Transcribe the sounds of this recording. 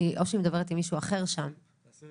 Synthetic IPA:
iʔoʃeimed̪abe̞etimiʃuaχe̞ʁʃam

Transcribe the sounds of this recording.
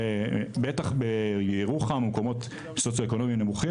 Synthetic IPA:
bet̪aχbejeiʁuχamemkomo̞t̪ | sot͡sjoeko̞no̞mjinemuχi

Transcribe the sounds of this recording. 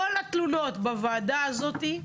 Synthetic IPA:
olat̪luno̞t̪bavaːd̪aazo̞t̪i

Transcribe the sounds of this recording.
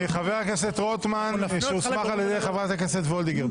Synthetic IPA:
eχaveʁhakeset̪ʁot̪manʃeusmmaχaljed̪ejχavʁat̪hakeset̪vold̪iɡeʁ

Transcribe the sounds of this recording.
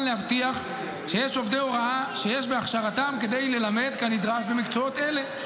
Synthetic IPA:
nlehavt̪iaχ | ʃejeʃo̞vd̪eoʁaaʃe̞jeʃbe̞aχʃaʁatamke̞d̪e̞jle̞lame̞d̪kanid̪ʁaʃbe̞mikt͡so̞o̞t̪e̞le̞

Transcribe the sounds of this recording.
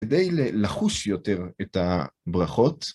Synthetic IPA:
d̪ejlelaχuʃjote̞ʁetabʁaχo̞t

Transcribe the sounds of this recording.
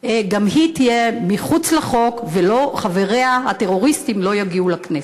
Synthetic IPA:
ɡamhitijemiχut͡slaχo̞kvelo̞χave̞ʁeahat̪e̞ʁo̞ʁistimlo̞jaɡiulaknes

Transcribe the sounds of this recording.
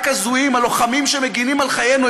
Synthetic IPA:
kazuimalo̞χamimʃemeɡinimalχajenu

